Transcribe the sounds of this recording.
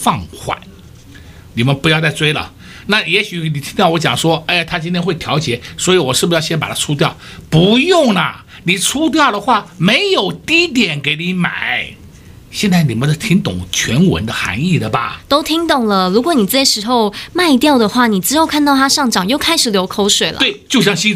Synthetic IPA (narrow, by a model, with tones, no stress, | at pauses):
fɑ˥˧˩ŋxwa̰˨˩˦n | ni˨˩mə˦npu˧˥jɑ˥˧ʊt͡sa˥˧ɪt͡swe˥ɪlə̰˨ | na˥˩jɛ˧˥ɕy˧˩ni˨t̪ʰi˥ŋt̪jɑ˥˩ʊwɔ˧˥t͡ɕjɑ˨˩ŋʂwɔ˥a˥˩˨t̪ʰa˥t͡ɕi˥nt̪ʰjɛ˥nxwɪjɑ˧˥ʊt͡ɕjɛ˨˧˥swɔ˧˥i˧˥wɔ˨˩ʂɻ̩˥˩bu˧˥jɑ˥˧ʊɕjɛ˥npa̰˨˩t̪ʰa˥t͡sʰu˥t̪jɑ˥˩ʊpu˧˥jʊ˥˩ŋnɐ˩ | ni˨˩t͡sʰu˥t̪̬jɑ˥˩ʊɾə˩xwa˥˩me˧˥ɪjo˨˩ʊt̪i˥t̪jɛ˨˩nke˨˧˥ɪni˧˥ma̰˨˩˦ɪ | ɕjɛ˥˧nt͡sa˥˩ɪni˨˩mə˦nt̪ə˧˩t̪ʰi˧˥ŋt̪ʊ̰˨˩˦ŋt͡ɕʰɥɛ˧˥nwə̰˧˥nd̪ə˧xa̰˧˥ŋi˥˩d̪ə˩bɐ̰˨˩t̪o˥ʊt̪ʰi˥ŋt̪ʊ˨˩ŋlə˨ɻu˧˥kwɔ˧˥ni˨˩t͡sa˥˩ʂɻ̩˧˥xo˥˧ʊma˥˧ɪt̪jɑ˥˩ʊd̪ə˩xwa˥˩ni˨˩t͡sɻ̩˧˥xo˥˧ʊkʰa˥˧nt̪ɑ˥˩ʊt̪ʰa˥ʂɑ˥˩ŋʈ͡ʂɑ˨˩ŋjo˥˩ʊkʰa˥ɪʂɻ̩˨˩ljo˧˥ʊkʰo˧˥ʊʂwe˨˩ɪlə̰˦twe˥˩ɪt͡ɕjo˥˧ʊɕjɑ˥˧ŋɕi˥